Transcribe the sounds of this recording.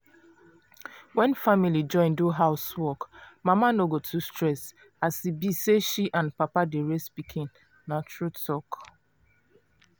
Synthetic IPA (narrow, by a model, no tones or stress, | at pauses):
wɛ̃nfamilid͡ʒɔ̃ɪ̃nduɦaʊswɔkmamanoɡotʰustɹɛs | asibiseʃiʔãnpapadeɹespikʰĩnː | at͡ʃɹutʰɔk